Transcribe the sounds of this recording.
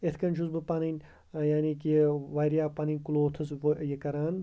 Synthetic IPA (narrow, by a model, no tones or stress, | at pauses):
et̪ʰkɐnʲt͡ʃʰuzbɨpaninʲ | jaːnikiʋaːjɾjaːpɐninʲkuloːt̪ʰɐsʋjɐkɐɾaːn